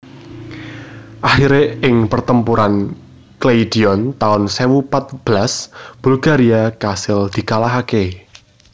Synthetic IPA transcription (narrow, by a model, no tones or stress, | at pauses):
ʔaxiɾeɪŋpərt̪əmpuɾan | kleid̥i̤ɔnt̪aʊnsewupat̪̚b̥lasb̥ulɡa̤ɾiakasɪld̪̥i̤kalaɦake